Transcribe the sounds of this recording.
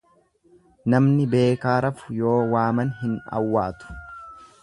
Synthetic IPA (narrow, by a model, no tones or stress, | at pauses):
nɐmnɪbe̞ːkaːɾɐfʊ̥jo̞ːwaːmɐnɦɪnɐ̰wːaːt̪ʊ̥